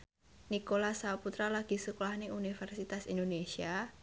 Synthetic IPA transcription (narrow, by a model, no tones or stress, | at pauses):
nikolasaput̪ɾalaɡ̥i̤sukolahneʔunifɛrsit̪asindonesia